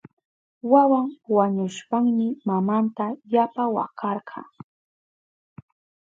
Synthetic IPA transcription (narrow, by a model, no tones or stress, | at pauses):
wawaŋwaɲʊʃpaŋmɪmamant̪ajapawa̰kɑɾɢʰɑ̰